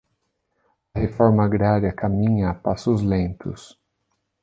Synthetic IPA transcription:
ɐhefɔɾmɐaɡɾaɾiɐkʰamĩɲɐːpasʊzlẽnt̪ʰʊs

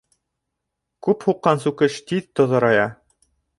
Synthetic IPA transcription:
kʉphuqːɑnsʉkɘʃt̪iðt̪ŏðɤ̆ɾɑjɑ

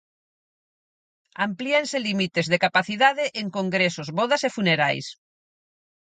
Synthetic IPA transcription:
amplienselimit̪ezðekapaθiðaðeʔeŋkõŋɡɾesozβoðasefuneɾa̰js

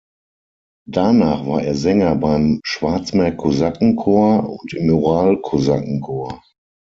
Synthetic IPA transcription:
d̥anaːχv̥aːɐʔeːɐzɛŋɐbaɪmʃv̥aɐt͡smɛɐkʰozakŋ̩kʰoːɐʊ̰ntɪmoʁaːlkʰoza̰kŋ̩kʰoːɐ

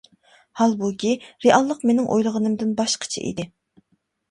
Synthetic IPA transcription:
hɑlˠbukʲiɾeʔɑlˠːəqmenɪŋʔo̰jlˠəʁənɨmd̪ɪnbɑʃqʰə̥t͡ʃʰḭʔḭd̪ɪ

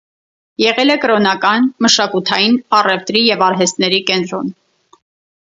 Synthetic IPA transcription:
jɛʁɛlɛkəɾɔnɑkɑnməʃɑkut̪ʰɑjinɑrɛft̪ɾijɛvɑɾɦɛst̪nɛɾikɛnt̪ɾɔn

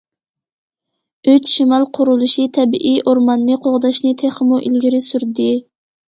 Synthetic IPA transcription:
øt͡ʃʃimɑlˠqʰʊɾulˠuʃit̪ʰɛbiʔiʔoɾmɑnːɨqʰoʁd̪ɑʃnɨt̪ʰeχmuʔilɡʲiɾɪsyɾd̪ɪ

